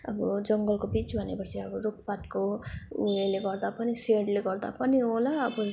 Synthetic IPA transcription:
ʌbʌd͡zʌŋɡʌlkobit͡sbʱʌnepʌt͡sʰiʌbɔɾuk̚pat̪komaleɡʌrd̪apʌniseɽleɡʌrd̪a̰pʌniolaːbʌ

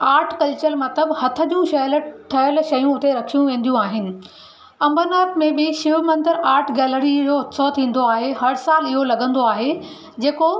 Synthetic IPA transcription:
aːɾʈʰkɐlt͡ɕəlmɐt̪əbhɐt̪ʰə̆d͡ʑũʃɐləʈʰːɐjəlʃɐjũʊt̪eɾɐkʰijũʋẽːnd̪ijũaːɦɪnɪ̆ | ɐ̃mbəɾnaːpmẽbɪʃɪʋmɐ̃nd̪əɾaːɾʈʰɡɛːləɾid͡ʑoːɦt̪sɔt̪ʰĩːn̆d̪oaːɦeɦɐɾsaːlɪɦolɐɠə̃nd̪oaːɦe | d͡ʑeːko

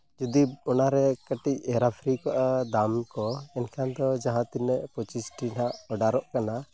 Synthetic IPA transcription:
d͡ʒɔd̪iɔnaɾɛkəʈicɛɾapʰɾikaʔad̪amkɔɛnkʰand̪ɔd͡ʒaɦãt̪inːɛʔpɔt͡ʃisʈinɦaʔɔɖaɾɔʔkana

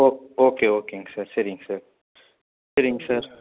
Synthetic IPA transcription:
oːoːkeoːkeŋɡsɐɾseɾĩŋɡsɐɾ | seɾɪ̃ŋɡsɐɾ

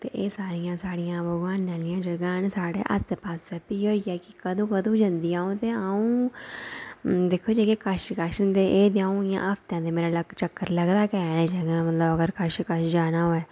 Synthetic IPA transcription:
t̪ḛːʔeːsaːɾɪjãːsaːɽɪjãːbəɡʋaːnːãːlijãːd͡ʒəɡãːnsaːɽḛːʔə̰sd̪eːpaːsɛpiːɦoːiːɛːkɪkəd̪õːkəd̪õːd͡ʒə̃nd̪iːãːõːt̪eːaũː | d̪eːkʰoːd͡ʒeːkekəʃkəʃənd̪eːʔeːd̪eãːũːɪjã̰ːʔəːpʰt̪jãːd̪eːmeːɾaːləɡt͡ʃəkːəɾləɡd̪aːkɛːnẽːd͡ʒəɡãːmət̪ləbəɡəɾkəʃkəʃd͡ʒaːnaːɦoːɛː

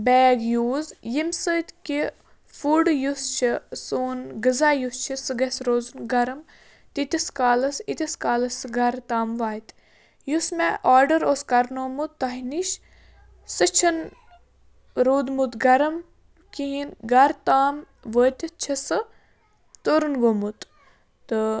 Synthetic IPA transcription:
bɛːɡjuːzjimsət̪ki | fuːɖjust͡ʃʰisoːnɡəzaːjust͡ʃʰisɨɡɐsɾoːzunɡɐɾɐm | t̪it̪iskaːlɐsit̪ʲiskaːlɐsɡɐɾt̪aːmʋaːt̪ | jusmeʔaːɾɖəɾoːskɐɾnoːmut̪ːɐɦiniʃ | sɨt͡ʃʰɐn | ɾoːd̪mut̪ɡɐɾɐm | kiɦinɡɐɾt̪aːm | ʋəːt̪t͡ʃʰisɨ | t̪oɾunɡomut̪ | t̪ɨ

